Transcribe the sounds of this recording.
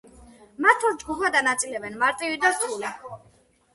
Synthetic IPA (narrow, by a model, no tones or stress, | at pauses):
maɾt̪ʰvalˠd͡ʒɡupʰad̪anat̪sʼilɛbɛnmaɾt̪ʼivid̪asuli